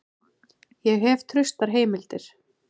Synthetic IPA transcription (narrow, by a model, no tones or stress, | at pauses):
jɛɣɦɛv̥t̪ʰɾʏst̪aɾ̥ɦeːjmɪlt̪ɪɾ̥